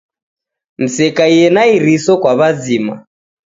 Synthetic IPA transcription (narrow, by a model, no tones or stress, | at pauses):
n̩sɛkaijɛnaiɾisɔkwaβazima